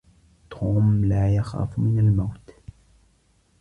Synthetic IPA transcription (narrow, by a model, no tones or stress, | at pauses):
t̪ʰoːmlaːjaxa̰ːfmɪnalmawt̪